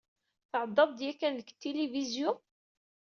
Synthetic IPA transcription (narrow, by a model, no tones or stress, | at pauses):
θʕəd̪ˤːɑðˤd̪jækːænləkt̪ːilivizjʊn